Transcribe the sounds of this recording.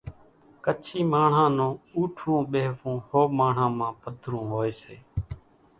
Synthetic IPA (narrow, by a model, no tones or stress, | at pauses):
kət͡ʃʰiːmaːɳ̤ãːnõːuːʈʰũːɓeːʋũːhoːmaːɳ̤ãːmãːpəd̪ʱɾũːɦoːeːseː